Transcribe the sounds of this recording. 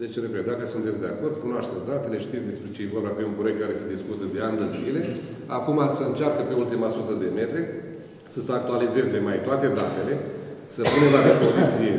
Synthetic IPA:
d̪e̞t͡ʃeɾepet̪̚d̪akəsunt̪et̪sʲd̪e̞ako̞rd̪kunoaʃt̪e̞t̪sʲd̪at̪e̞le̞ʃt̪it̪sd̪e̞spɾet͡ʃejevorbakujumpɾoek̚t̪kːaɾe̞sed̪iskut̪əd̪e̞and̪əlzile̞ | akumasəɨnt͡ʃarkəpe̞ult̪imasut̪əd̪e̞me̞t̪ɾe̞ | səsəak̚t̪ualize̞zemajt̪oat̪e̞d̪at̪e̞le̞səpunəlaɾepozit̪sie̞

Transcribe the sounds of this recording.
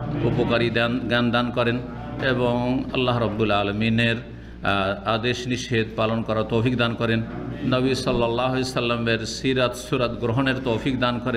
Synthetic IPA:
upokaɾid̪nɡand̪ankɔɾen | eboŋɐ̰lːaɦɾɔbːulaːlamineɾ | ad̪eʃniʃed̪palonkɔɾat̪ofikd̪ankɔɾenːʌbisɔlːɔlːaɦesɐlːameɾsiɾat̪suɾat̪ɡɾɔɦoneɾt̪owfikd̪ankɔɾen

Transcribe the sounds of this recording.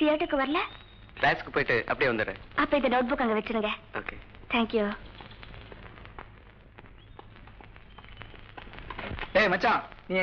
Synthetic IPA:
sijaːɾʈɯkːɯʋɐɾɐlɐ | klaːskɯpoːjʈːɯʔɐ̰pːɐɽɪjeːʋɐnd̪ɯɾɯ̰̃ɐpːoːɪnd̪ɐnoːʈ̚bʊkːaːŋɡɐʋɛt͡ʃːɯɾɯŋɡɐo̰ːket̪ʰɛːŋkju | eːmɐt͡ʃːãːnĩː

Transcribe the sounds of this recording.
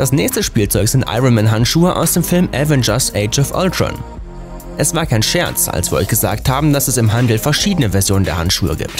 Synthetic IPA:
d̥asnɛːçstəʃpiːlt͡sɔʏkz̥ɪntʔa̰ɪʁonmɛnɦantʃuːəʔa̰ʊsd̥eːmfɪlmʔɛvɛnd͡ʒɐsʔɛɪt͡ʃɔfʔɔ̰ltʁɔ̰n | ʔɛsv̥aːɐkʰaɪnʃɛɐt͡sa̰lsv̥iːɐɔʏçɡ̥əza̰ːk̚thaːbm̩d̥asɛsɪmɦandl̩fɛɐʃiːdənəvɛɐzjoːnəndeːɐha̰ntʃṵːə̰ɡḭːp̚t

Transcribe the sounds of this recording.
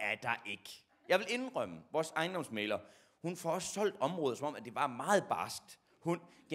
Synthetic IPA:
æɐd̥ɑ̈ʔe̝ɡ̥ə | jɑ̈ɪʋele̝nʁœm̰əʋɒːsɑ̈ɪnd̥ɒ̽msmeːlɐ | hunfɒ̽ɒ̽ssɒ̽l̰d̥ɒ̽mʁɔ̽ːðˠsɒ̽mɒ̽mæd̥e̝ʋɑ̈mɑ̈ːð̩ˠb̥ɑ̈ːsɡ̥̚d̥ | hunɡ̥

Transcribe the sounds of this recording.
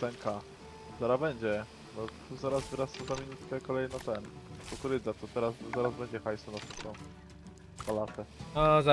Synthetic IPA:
sɛŋkʰa | zaɾabɛɲd͡ʑɛ | nɔt̪uzaɾasvɘɾast̪ɔzamʲinut̪kɛkɔlɛjnɔt̪ɛnt̪ɔkuɾɘd̪zat̪ɔt̪ɛɾaszaɾazbɛɲd͡ʑɛxajsɔnat̪ut̪ɔ | palat̪ɛɔz

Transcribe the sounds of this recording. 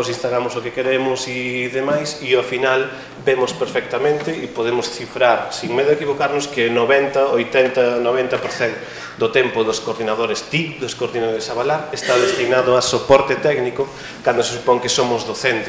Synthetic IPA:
osĩnst̪aɣɾamʊsokekeɾemʊsiðemajsiafinal | bemʊspeɾfɛk̚t̪amẽnt̪ɪipoðemʊsθifɾaɾsiŋmeðʊekiβokaɾnʊskɪnoβɛnt̪ɐojt̪ɛnt̪ɐnoβ̞ent̪ɐpoɾθɛŋ | d̪ʊt̪ɛmpʊðʊskoɾðinaðoɾest̪ikd̪oskoɾðinaðoɾesaβalaɾest̪aðest̪inaðʊasopɔɾt̪ɪt̪ɛknikʊ | kand̪osɪsupɔŋkɪsomʊzðoθent̪

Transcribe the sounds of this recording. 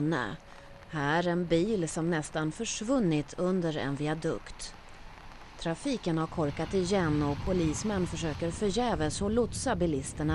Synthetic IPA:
nə̰ | hæːɾɛnbiːlsɔmnɛst̪anfœʂvɵnːɪt̪ʰɵnd̪əɾɛ̰nvɪad̪ɵ̰kt̪ | t̪ʰɾafiːkənhaɾkʰɔɾkat̪ɪjɛnːɔpʰʊliːsmɛnːfœʂøːkəɾfœɾjɛːvəsɔlʊt̪sabɪlɪst̪əɳa

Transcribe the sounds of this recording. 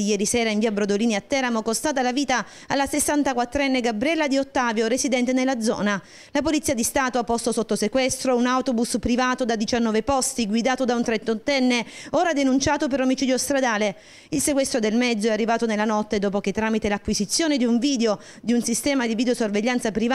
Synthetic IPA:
ijɛːɾisɛːɾaiɱviːabɾod̪oliːniat̪ːɛɾamokost̪aːt̪̬alaviːt̪a | alːasesːant̪akwat̪ːɾɛnːeɡabɾiɛlːad̪iot̪ːaːvjoɾesid̪ɛnt̪enelːad̪zɔ̰ːna | lapolit̪siːad̪ist̪aːt̪oapːɔst̪osot̪ːosekwɛst̪ɾounawt̪obuspɾivaːt̪od̪ad̪it͡ʃanːɔːvepɔst̪iɡwid̪aːt̪od̪aunt̪ɾent̪ot̪ːɛnːeoːɾad̪enunt͡ʃaːt̪opeɾomit͡ʃiːd̪jost̪ɾad̪aːle | ilsekwɛst̪ɾod̪elmɛd̪zoɛarːivaːt̪onelːanɔt̪ːed̪oːp̬ok̟et̪ːɾaːmit̪elakːwizit̪sːjoːned̪iuɱviːd̪eo | d̪iunsist̪ɛːmad̪ivid̪eosorveʎːant̪sapɾiv

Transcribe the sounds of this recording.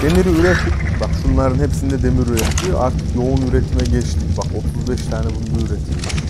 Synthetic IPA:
d̪̥e̞miɾiyɾɛt̪ibaksunlˠaɾɯnhepsind̪ɛd̪e̞miɾyɾɛt̪ʰlijoʔaɾt̪ʰɯ̥kjo̞unyɾɛt̪ʰmɛɟɛt͡ʃt̪ʰibako̞t̪ʰuzbɛʃt̪ʰaːnɛbunːuyɾet̪ʰij

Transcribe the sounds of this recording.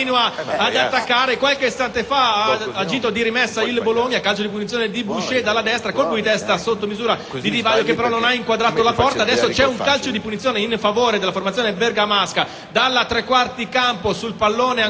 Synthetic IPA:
inuaad̪at̪ːakːaːɾekwalkest̪ant̪efaaːd͡ʒiːt̪od̪iɾimɛsːailbolomjakalt͡ʃod̪ipunit̪sjoned̪ibut͡ʃːed̪alːad̪ɛst̪ɾakolpujit̪ɛst̪asot̪ːomizuːɾa | d̪id̪ivaːʎːokepːeɾɔnːonaiŋkwad̪ɾaːt̪olapɔrt̪aːd̪ɛsːot͡ʃɛuŋkalt͡ʃod̪ipunit̪sjoːneinfavoːɾed̪elːaformat̪sːjoːneberɡamaska | d̪alːat̪ːɾekːwart̪ikamposulpalːoːnea

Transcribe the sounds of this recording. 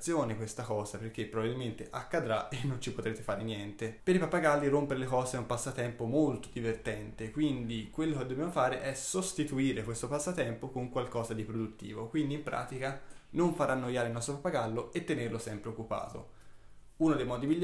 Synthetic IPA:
sjoːnekwest̪akɔːzaperkːepːɾobabilment̪eʔakːad̪ɾaenːont͡ʃipot̪ɾeːt̪efaːɾenjɛnt̪epeɾipapːaɡalːiɾompeɾelekɔːzeɛumpasːat̪ɛmpomolt̪o̥d̪ivert̪ɛnt̪ekwind̪ikwelːoked̪ːobjamofaːɾeʔɛsost̪it̪uiːɾekwest̪opasːat̪ɛmpokoŋkwalkɔːzad̪ipɾod̪ut̪ːḭːvokwind̪impɾʔa̰ːt̪ikanoɱfaɾanːojaːɾeilnɔst̪ɾopapːaɡalːoet̪ːenerlosɛmpɾeokːupa̰ːt̪o̰ | uːnod̪ejmɔːd̪imiʎː

